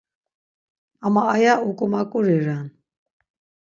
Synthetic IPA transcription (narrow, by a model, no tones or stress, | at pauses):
amaajaukʼumakʼuɾiɾan